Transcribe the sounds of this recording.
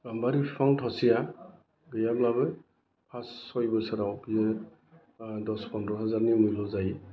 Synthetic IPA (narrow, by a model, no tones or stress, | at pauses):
ɡambaɾipʰpʰaŋtʰɔsija | ɡɯjablabɯ | pʰasːɔjbɯsaɾawkije | dɔspɔndɔɦazaɾnimɯjlɔzaj